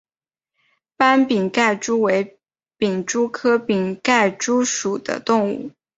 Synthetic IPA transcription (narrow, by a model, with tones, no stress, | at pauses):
pa˥npi˨˩ŋka˥˩ɪʈ͡ʂu˥we˧˥ɪ | pi˨˩ŋʈ͡ʂu˥kʰɤ˥pi˨˩ŋka˥˩ɪʈ͡ʂu˥ʂu˨˩d̪̥ə̰˦t̪ʊ˥˧ŋṵ˥˩